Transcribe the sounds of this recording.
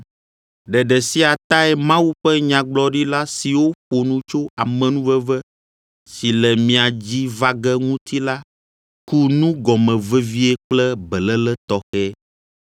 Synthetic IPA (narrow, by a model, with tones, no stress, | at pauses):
ɖɛ˨ɖɛ˨si˦a˨t̪a˦ɛ˦mã˦wu˦ɸɛ˦ɲã˨ɡ͡blɔ˦ɖi˦la˦si˨wo˦ɸo˨nũ˦t͡ʃo˦a˨mɛ̃˨nũ˦vɛ˦vɛ˦ | si˨lɛ˨mĩ˨a˨d͡ʑi˦va˦ɡɛ˦ŋũ˦t̪ʰi˦la˦ | ku˦nũ˦ɡɔ˨mɛ̃˨vɛ˦vi˦ɛ˦k͡plɛ˦bɛ˨lɛ˦lɛ˦t̪ɔ˨xɛ˦